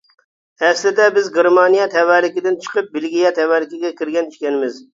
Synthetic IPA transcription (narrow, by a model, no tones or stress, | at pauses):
ɛslɪd̪ɛbɪzɡʲeɾmɑnijɛt̪ʰɛwæɾlɪkʲɪd̪ɪnt͡ʃʰə̥qəp̚bɪlɡʲijɛt̪ʰɛwæɾlɪkʲɪɡʲɛkʲʰɪɾɡʲɛny̥ʃkʲɛnɪmɪz